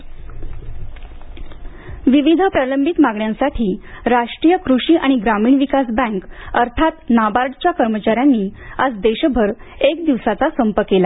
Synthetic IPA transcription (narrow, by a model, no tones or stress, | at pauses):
ʋiʋid̪ʱəpɾələmbʱit̪maɡɳjãnsaʈʰiːɾaʂʈɾiːjəkɾuʂiːʔaɽ̃iɡɾamiːɳʋikasbɛ̃ŋkəɾt̪ʰat̪nabaɾʈt͡ɕjakəɾmət͡ɕaɾjanːiːad͡zd̪eɕbʱəɾ | ek̚d̪iʋsat͡sasəmpəkela